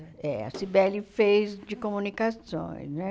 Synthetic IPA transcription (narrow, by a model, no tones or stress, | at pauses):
ɛa̰sibɛlːifejsd͡ʒikomunikat̪sõ̰jnɛ